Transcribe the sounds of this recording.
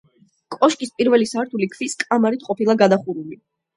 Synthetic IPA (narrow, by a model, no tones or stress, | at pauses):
kʼɔʃkʼispʼiɾvɛlisaɾt̪ʰulikʰviskʼamaɾit̪ʰqʼɔpʰilˠaɡad̪aχuɾuli